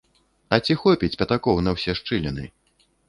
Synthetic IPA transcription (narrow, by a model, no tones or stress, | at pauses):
ɐt͡sʲixɔpʲit͡sʲpʲɐt̪akɔwnɐwsʲɛʂt͡ʂɨlʲɛnɨ̰